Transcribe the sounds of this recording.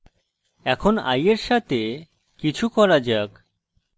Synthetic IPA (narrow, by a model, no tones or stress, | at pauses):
ɛkʰona̰jeɾʃat̪e | kit͡ɕʰukɔɾad͡ʑak